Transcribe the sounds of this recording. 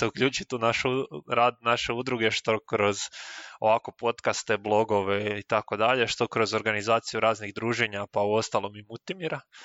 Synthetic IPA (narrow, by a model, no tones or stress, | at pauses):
t̪eukʎuːt͡ʃit̪unaʃuɾaːd̪naʃe̞ud̪ɾuɡe̞ʃt̪o̞kɾo̞zo̞̰ʋaːko̞po̞t̪kast̪e̞blˠo̞ɡo̞ʋe̞it̪ako̞d̪aʎe̞ʃt̪o̞kɾo̞zo̞ɾɡanizaːt̪sijuɾaːzniɣd̪ɾuːʒeɲapauo̞st̪alˠo̞mimult̪imiɾa